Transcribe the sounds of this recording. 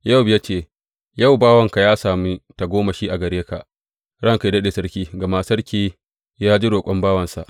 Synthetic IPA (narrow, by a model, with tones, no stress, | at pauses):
ja˦˨wbja˦t͡ʃeː˦˨ | ja˦˨wbaː˦wɐ˦˨ŋka˨jaː˦saː˨miː˦ta˨ɡʷoː˦ma˨ʃiː˦ʔa˨ɡɐ˨ɽeː˦ka˨ʔ | ɽɐ˦ŋka˨dɐ˦ɗeː˨sɐ˦ɽkʲiː˦ɡa˨ma˦sɐ˦ɽkʲiː˦ | jaː˦d͡ʒɪ˦ɽoː˨kʷʼɔ˦mbaː˦wɐ˨nsa̰˨ʔ